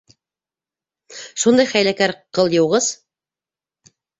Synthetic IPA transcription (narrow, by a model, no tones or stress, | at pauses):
ʃund̪ɑjχæjlækæɾqɤlˠjɤ̆wʁɤz̥